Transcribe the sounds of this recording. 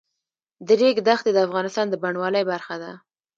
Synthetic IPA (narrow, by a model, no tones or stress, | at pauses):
d̪əɾeɡd̪axt̪ed̪əafɣɑnɪst̪ɑnd̪əbaɳwɑləjbaɾxad̪a